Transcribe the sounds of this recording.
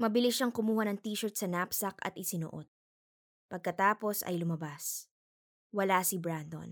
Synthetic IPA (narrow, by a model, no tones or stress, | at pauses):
mɐbɪlɪʃaŋkʊmuːhɐnɐŋt̪iːʃɛɹt̪̚sɐnapsɐkɐ̰t̪ʔɪsɪno̰ʔo̰t̪̚ | pɐɡ̚kɐt̪aːpo̞sɐ̰jlʊmɐbas | wɐlasibɹand̪o̰n